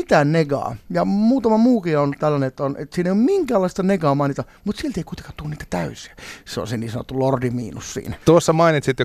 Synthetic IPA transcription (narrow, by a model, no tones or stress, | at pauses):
it̪æːnneɡɑ̰ːjɑmuːt̪ɑmɑmuːkiont̪ælːæneet̪ːonʔḛt̪siːneijommiŋkæːlːˑɑist̪ɑneɡɑːmɑinit̪ɑ | mut̪sielt̪eikuit̪e̥ŋkɑt̪uoniːt̪æ̥t̪æysiæseo̰seniːsɑno̰t̪ːulordimḭːnussḭːnæt̪uosːɑmɑinit̪sit̪jo